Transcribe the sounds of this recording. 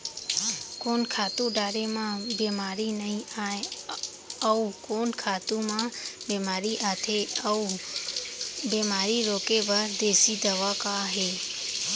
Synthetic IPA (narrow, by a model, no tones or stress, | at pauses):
koːnkʰaːt̪ũɖaːɾemãbeːmaːɾinəɦĩaːẽ | əukoːnkʰaːt̪ũmãːbeːmaːɾiʔaːt̪ʰeu | beːmaːɾiɾoːkebəɾd̪eːsid̪əʋakaɦeː